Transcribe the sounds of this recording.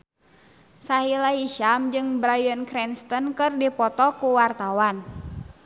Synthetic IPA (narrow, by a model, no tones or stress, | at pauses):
saɦilaiʃamd͡ʒɨŋbɾajənkɾɛnst̪ɔnkɨrdipɔt̪ɔkuwart̪awan